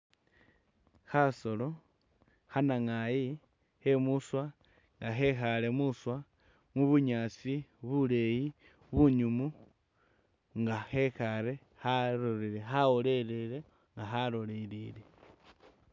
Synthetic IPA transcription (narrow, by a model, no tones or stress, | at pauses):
xaso̞lo̞ | xanaŋaji | he̞muswa | ŋɡaxe̞xale̞muswa | mwuβuɲaːt͡siβule̞ji | βuɲumu | ŋɡaxe̞xaɾe̞ | haɾoɾiɾexaole̞leɾe̞ | ŋɡaxalo̞liɾile̞